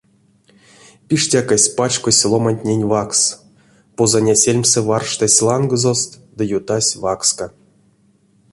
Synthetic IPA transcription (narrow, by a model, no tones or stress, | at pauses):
pʲiʂtʲakasʲpat͡ʃkosʲlˠomanʲt̪ʲnʲenʲvaks | pozanʲasʲelʲmʲsɛvarʂt̪asʲlˠanɡɨzost̪ | d̪ɨjut̪asʲvakska